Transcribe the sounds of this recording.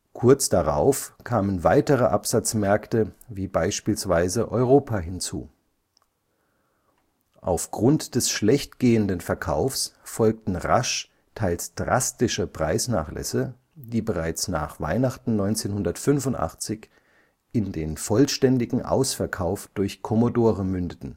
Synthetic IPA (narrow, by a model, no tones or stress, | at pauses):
kʰʊɐt͡sd̥aʁa̰ʊfkʰaːmənvaɪtəʁəʔapz̥at͡smɛɐktəviːbaɪʃpiːlsv̥aɪzəʔɔʏʁ̞oːpʰaɦɪnt͡sṵː | ʔa̰ʊfɡ̥ʁʊntd̥ɛsʃlɛçtɡ̥eːəndənfɛɐkʰa̰ʊfsfɔlk̚tn̩ʁa̰ʃ | tʰaɪlsd̥ʁa̰stɪʃəpʁ̥a̰ɪsna̰ːχlʔɛ̰sə | d̥iːbəʁaɪt͡sna̰ːχv̥a̰ɪnaχtn̩nɔʏnt͡seːnhʊndɐtfʏnfʊntʔa̰χt͡sɪç | ɪndeːnfɔlʃtɛndɪɡŋ̩ʔa̰ʊsfɛɐkʰaʊfd̥ʊɐçkʰɔmodoːʁəmʏndətn̩